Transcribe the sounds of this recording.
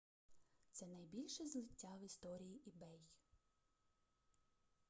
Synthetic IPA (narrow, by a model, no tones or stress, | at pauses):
t̪sɛnɐjbʲilʲʃɛzlˠɪtʲːawist̪ɔɾʲijiʔibɛj